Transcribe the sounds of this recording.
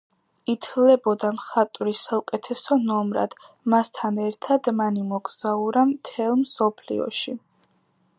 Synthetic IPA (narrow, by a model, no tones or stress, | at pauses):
it̪ʰlɛbɔd̪amχat̪ʼɾisaukʼɛt̪ʰɛsɔnɔmɾa̰d̪̥ | mast̪ʰanɛɾt̪ʰad̪manimɔɡz̥auɾamt̪ʰɛlˠmsɔpʰlḭɔ̰ʃi